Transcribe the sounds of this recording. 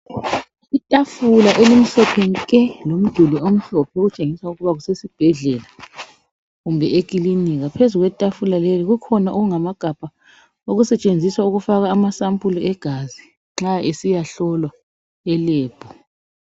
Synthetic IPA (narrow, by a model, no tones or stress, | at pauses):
itʼafulaʔelim̩ɬɔpʰenkʼɛlom̩d̥ʱuliom̩ɬɔpʰɛoɣut͡ʃʼeŋiswauɣuβaɣusesib̥ʱɛɮɛla | ɣumbʱɛek̬ʼiliniɣapʰezuɣwɛtʼafulaleliɣukʰɔnaʔoɣuŋamaɡ̥ʱab̥ʱa | oɣusɛt͡ʃʼend͡zʱiswauɣufaɣaːmasampʼuluʔɛɡ̥ʱazi | ŋ͡ǁaesijaɬɔlwa | ɛleːb̥ʱɔ